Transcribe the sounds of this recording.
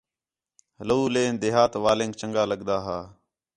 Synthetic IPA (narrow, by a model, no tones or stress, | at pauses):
ləuːlẽːnd̪eːɦaːt̪ʋaːlẽːŋɡ̚t͡ʃəŋɡaːləɠd̪aːɦaː